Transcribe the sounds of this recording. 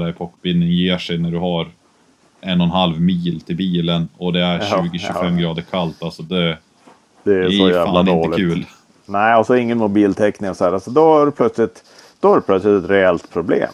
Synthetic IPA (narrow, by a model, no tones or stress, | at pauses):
d̪æjpʰɔkːbɪnːɪŋjeːʂɛjnæɖɵɦaɾ | ɛnːɔnɦalvmiːlt̪ʰɪlbiːlənɔd̪ɛæɾɕʉːɡɪɕʉfɛmːɡɾɑːd̪əɾkʰalt̪alsɔd̪ɛ | d̪̥ɛɔːaanɪoːəlkʉ̟ːl | nɛɪɔsɔɪŋːənmʊbiːlt̪ʰɛknɪŋɔsɔhæːɾalsɔd̪ɔaɾpʰlœt̪slɪt̪ | d̪̥ɔæɾɛpʰlœt̪slɪt̪ɛt̪ɾɛɛlt̪pʰɾʊblḛːm